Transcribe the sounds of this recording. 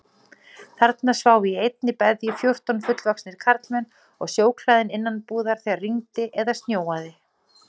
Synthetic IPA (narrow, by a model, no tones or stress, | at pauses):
θaɾt̪nḁsvaːwiejt̪̚nɪpɛðjʏfjowr̥t̪ɔnfʏt̪lvɔksnɪɾ̥kʰaɾt̪lmɛn | ɔɣsjoːwkʰlaːðɪnɪnːanpuːðaɾ̥θiaɾriŋt̪ɪʔɛðast̪njoːwaðɪ